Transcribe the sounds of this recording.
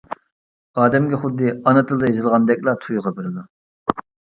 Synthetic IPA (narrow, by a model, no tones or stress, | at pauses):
ɑːd̪ɛmɡʲɛχʊd̪ːɨɑnɨt̪ʰɨlˠd̪ɑjezɨlˠʁɑnd̪ɛkʲlˠɑt̪ʰujʁɑbeɾɪd̪u